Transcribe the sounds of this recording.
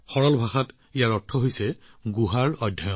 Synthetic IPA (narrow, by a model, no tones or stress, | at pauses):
xɔɹɔlbʱaxat | ijaɹɔtʰːɔɦojsɛɡuɦaɹɔjdʱːajɔ